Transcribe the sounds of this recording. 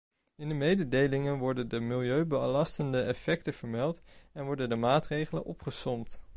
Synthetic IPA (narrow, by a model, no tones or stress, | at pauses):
ɪndəmejdədejlɪŋənʋɔɹdəndəmɪlˠjøɥbəlɑstəndəʔɛfɛk̚təv̥əɹmɛlˠtɛnʋɔɹdəndəmaːtrejχələ̰nɔpχəsɔmt